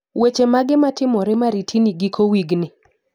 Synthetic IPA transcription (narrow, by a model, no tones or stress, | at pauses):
wet͡ʃemaɡɪmatɪmɔɾɛmaɾitʰiniɡikowiɡnɪ